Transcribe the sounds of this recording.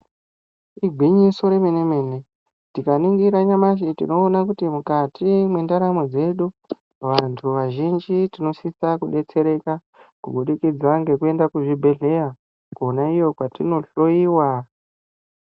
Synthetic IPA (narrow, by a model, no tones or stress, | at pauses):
iɡʱiɲiso̞ɾemene̞me̞ːne̞ | tikaniŋɡiɾaɲamaʃ̬itḭno̞ːnakutimukatʰimwe̞ndaɾamod͡ze̞ɗu | ʋantʰuʋaʒind͡ʒitino̞sisakuɗe̞t͡se̞ɾe̞ka | kuɓuɗikid͡zaŋɡe̞kue̞ndakuʐibʱe̞ɮe̞ja | kuonaijo̞kwatino̞ɬo̞iːwa